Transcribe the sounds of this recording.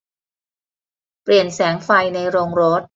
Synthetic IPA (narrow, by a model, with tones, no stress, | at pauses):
pli˨˩ənsɛː˩˦ŋfa˧jna˧jɾoː˧ŋɾo˦˥t̪̚